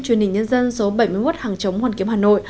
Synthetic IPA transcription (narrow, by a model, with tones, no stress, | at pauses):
t͡ɕwi˧˩ənhï˨˩ŋ̟ɲə˧nzə˧nso˨˦ɓə˧˩jmɨ˧əmo˦˥t̚haː˨˩ŋt͡ɕə˨˦wŋ͡mhwaː˨˧˩nki˨˦əmhaː˨˩no̰˧˨j